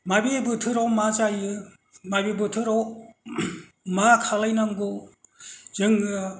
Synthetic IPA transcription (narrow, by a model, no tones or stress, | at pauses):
mabebɯtʰɯɾawmazajɯ | mabebɯtʰɯɾaw | makʰalajnaŋɡu | zɯŋɯ